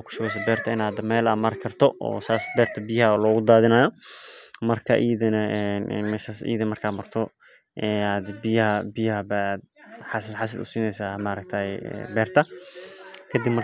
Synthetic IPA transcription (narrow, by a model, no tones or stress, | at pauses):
kʰʊ̥ʃɐwɛjs̬ɐbɛːrt̪ʰɐɪnaːd̪mɛːlɐmaɾkʰɐrt̪ʰɔʔɔ̰ːsaːsbɛːrt̪ʰɐbɪjɐhɐlɔːɣʊd̪aːðɪnaːjɔ | mɐrkʰɐ̰ʔiːðɐnɐʔɛnːmɛːʃasḭːðɐmɐrkʰaːmɐrt̪ʰɔ | ʔɛad̪bɪjɐɦɐbɪjɐɦɐbad̪̚ħasɪħas̬ɐd̪ʊ̰siːnɛjsaːmaɾɐk̚t̪ʰaːɛɛ̰bɛːrt̪ʰɐ | kʰɐd̪ibmɐ